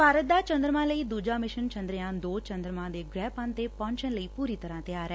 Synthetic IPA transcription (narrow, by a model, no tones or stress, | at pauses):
bʱaːɾət̪̚d̪aːt͡ʃə̃nd̪ɾəmãːləiːd̪uːd͡ʒaːmɪʃənt͡ʃə̃nd̪ɾɪãːd̪oːt͡ʃə̃nd̪ɾəmãːd̪eːɡɾɛːpãnt̪eːpɔ̃ːnt͡ʃənləiːpuːɾiːt̪əɾãːt̪eaːɾɛː